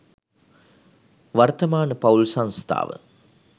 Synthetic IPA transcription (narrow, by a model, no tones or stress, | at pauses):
ʋɐrt̪ɐmaːnəpɐulsɐnst̪ʰa̰ːʋə̰